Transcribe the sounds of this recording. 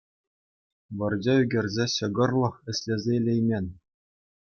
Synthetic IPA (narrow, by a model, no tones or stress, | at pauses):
ʋɤ̆rd͡ʑʲeyɡʲĕrʲzʲeɕɤ̆ɡɤ̆rlˠɤ̆χɘ̆sʲlʲezʲeilʲejmʲenʲ